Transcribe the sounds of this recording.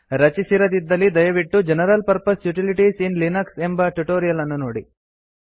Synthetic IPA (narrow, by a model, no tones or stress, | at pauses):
ɾɐt͡ʃisiɾɐt̪id̪ːɐlid̪ɐjɐʋiʈːud͡ʒenɐɾɐlpɐɾpɐsjuʈiliʈiːsinlinɐksembɐʈuʈoːɾijɐlɐnːunuːɽi